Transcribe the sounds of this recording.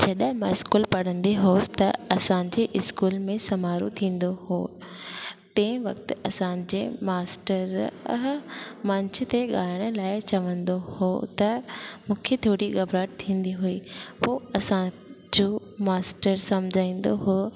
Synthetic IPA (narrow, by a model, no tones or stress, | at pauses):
d͡ʑɐɗəmãɪskuːlpɐɽ̤ə̃nd̪eɦoːt̪ɐɐsãɲd͡ʑeʔɪskuːlmẽsɐmaːɾṵt̪ʰĩːn̆d̪oɦoː | t̪ɐ̃ɦɪ̃ʋɐkt̪ɪɐsãd͡ʑḛːmaːsʈəɾɦmɐ̃ɲt͡ɕʰʊt̪eɠaːɪɽ̃ə̆laːɪt͡ɕɐʋə̃nd̪ohoːt̪ɐmũːkʰet̪ʰoːɽiɣɐbɾaːʈ̚t̪ʰĩːn̆d̪iɦuiːpoːɐsã | d͡ʑoː | maːsʈəɾsɐmd͡ʑʱaːĩːn̆d̪oɦoː